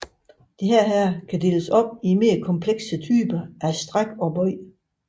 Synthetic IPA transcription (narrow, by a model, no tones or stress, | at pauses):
d̥eɦæɐ̰ɦæɐ̰kʰæd̥e̝̰ːləsɒ̽b̥̚ime̝ːɐkʰɒ̽mpʰleɡ̥sət͡sʰy̰ːb̥ɐʔæsd̥ʁaɡ̥ɒ̽b̥ɒɪ̰